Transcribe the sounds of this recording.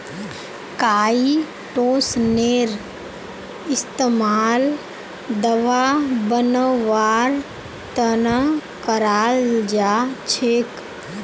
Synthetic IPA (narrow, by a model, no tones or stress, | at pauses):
kaːi | ʈoːsneɾ | ɪst̪emaːl | d̪əʋabənəːaːɾ | t̪ənəkəɾaːld͡ʒat͡ʃʰek